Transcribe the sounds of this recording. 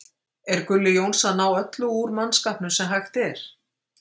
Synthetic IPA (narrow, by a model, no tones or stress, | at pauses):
ɛɾkʏlːɪjownsanaːwœt̪lʏuɾmanːskahpnʏsɛmɦajxt̪ɛɾ̥